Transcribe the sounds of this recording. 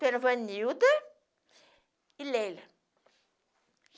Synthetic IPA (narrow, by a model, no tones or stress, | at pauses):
t̪eɾavanniud̪ə | ilelə